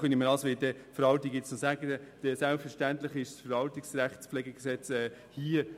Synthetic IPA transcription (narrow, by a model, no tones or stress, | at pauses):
χœniməɾɑlsʋɪldɛfəɾɑltiɡɪt͡sosæɡədɛd̪̥ɛsælpfəɾʃtænt̪ləχɪʃsfəɾvɑlt̪iksɾæχtsplɛɡəɡsɛt͡sɛː | hiə